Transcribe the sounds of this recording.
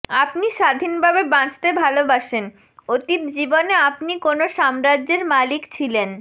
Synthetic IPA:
apniʃad̪ʱinbʱabebãt͡ɕt̪ebʱalobaʃen | ot̪it̪̚d͡ʑiboneapnikonoʃamɾadʑeɾmalikt͡ɕʰilen

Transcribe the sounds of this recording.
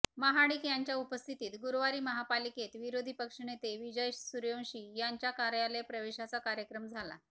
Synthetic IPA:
məɦaɽiːkjaɲt͡ɕjaupəst̪ʰit̪iːt̪ɡuɾʋaɾiːməɦapaliket̪ʋiɾod̪ʱipəkʂɳet̪eʋid͡ʑəjsuɾjõɕiːjaɲt͡ɕjakaɾjalepɾəʋeɕat͡sakaɾjəkɾəmd͡zʱala̰

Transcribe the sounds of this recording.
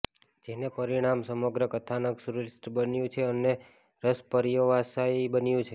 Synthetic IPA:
d͡ʒenepəɾiɽ̃amsəməɡɾəkət̪ʰanəksuɾuɾisʈbənjũt͡ʃʰeəne | ɾəspəɾjoʋasaibənjũt͡ʃʰe

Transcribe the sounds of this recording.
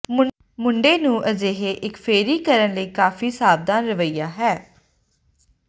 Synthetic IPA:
mʊɳɖeːnũːʔəd͡ʒeːɦeːʔɪkpʰeːɾiːkəɾənləiːkaːfʰiːsaːb̚d̪aːnɾəʋəiːaːɦɛː

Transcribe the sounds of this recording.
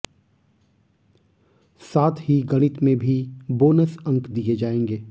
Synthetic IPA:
saːt̪ʰɦiɡɐɽ̃ɪt̪mẽbʱiboːnəsɐ̃ŋkd̪ijed͡ʒaːẽːŋɡeː

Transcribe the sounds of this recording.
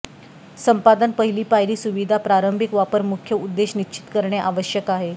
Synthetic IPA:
səmpad̪ənpəɦiliːpajɾiːsuʋid̪ʱapɾaɾəmbʱikʋapəɾmukʰjəud̪ːeɕnit͡ɕʰi̥t̪kəɾɳjaʔaʋəɕjəkaɦe

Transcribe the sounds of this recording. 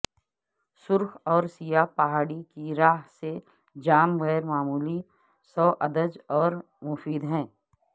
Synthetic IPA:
sʊɾxɔːɾsijapɐɦaːɽikiɾaːɦse | d͡ʒaːmɣɛːɾmaːmuːli | sɔːʔɐd̪əd͡ʒɔːɾ | mʊfiːd̪ɦɛ̃ː

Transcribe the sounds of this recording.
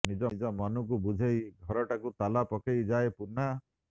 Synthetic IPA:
nid͡ʒɔd͡ʒɔmɔnuk̬ubud͡ʒʱejɡʱɔɾɔʈakut̪alapɔkejd͡ʒaepuɾna

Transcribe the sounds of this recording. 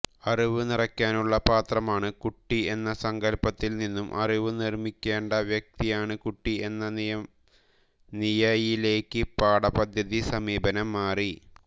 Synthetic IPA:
ɐriʋɨnirɐkʲːaːnuɭːɐpaːt̪rɐmaːɳɨkuʈːie̞nːɐsɐŋɡɐlpɐt̪ːilninːumʔɐ̰riʋɨnirmikʲːe̞ːɳɖɐʋjɐk̚t̪ijaːɳɨkuʈːie̞nːɐ | nijɐjile̞ːkːɨpaːɽɐpɐd̪ʱjɐðisɐmiːbɐnɐmːaːri

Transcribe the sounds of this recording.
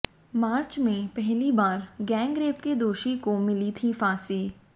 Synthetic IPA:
maːɾt͡ʃmẽpɛɦlibaːɾɡɛ̃ːŋɡɾeːpked̪oːʃikomɪlit̪ʰifaːsiː

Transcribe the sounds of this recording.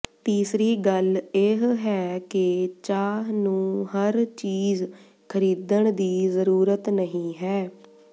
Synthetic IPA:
t̪iːsɾiːɡəleɦɦɛːket͡ʃaːɦnũːɦəɾt͡ʃiːz | kʰəɾiːd̪əɳ̃d̪iːzəɾuːɾət̪nəɦĩːɦɛː

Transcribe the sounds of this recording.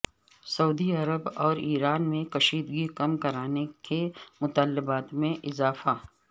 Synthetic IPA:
sɐuːd̪iɐɾəbɔːɾiːɾaːnmẽkɐʃiːd̪ɡikɐmkɐɾaːnekemʊt̪aːlːɪbaːt̪mẽʔɪzaːfa

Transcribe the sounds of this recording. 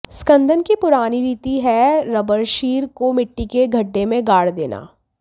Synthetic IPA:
skə̃nd̪ʱənkipʊɾaːniɾiːt̪iɦɛɾɐbəɾʃiːɾkomɪʈːikeɡʱɐɖːemẽɡaːɽd̪ḛːna̰ː

